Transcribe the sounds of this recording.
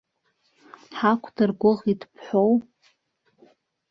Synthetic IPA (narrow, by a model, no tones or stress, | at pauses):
ħakʷʰdʰɨrɡʷʊʁidʰpʰħʷow